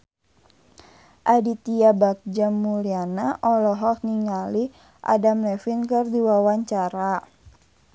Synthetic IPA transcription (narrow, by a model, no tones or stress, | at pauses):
ʔadit̪iabak̚d͡ʒamːulianaʔɔlɔɦɔk̚niŋali | ʔa̰damlɛfinkɨrdiwawaɲt͡ʃaɾa